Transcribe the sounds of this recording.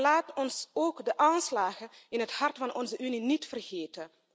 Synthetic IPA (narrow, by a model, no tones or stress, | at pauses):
laːtɔnsoːkdəʔaːnslaːɣəɪnɦəthɑrtfɑnʔɔnzəʔyninitfərxeːtən